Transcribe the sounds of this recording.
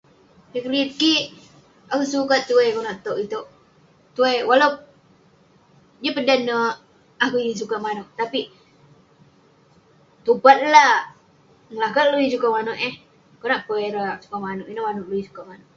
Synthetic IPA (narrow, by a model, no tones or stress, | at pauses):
piklit̪̚kiʔ | akusukat̪̚t̪ːuejkonaʔt̪oʔit̪oʔ | t̪uejwalaw | d͡ʒəpədanːəʔ | akuis̬ukaʔmanoʔt̪api | t̪upat̪̚la | ŋlakaluisukaʔmanoʔɛh | konaʔpəeɾaʔsu̥kaʔmanoʔinaʔmanuʔluwisu̥kaʔmanoʔ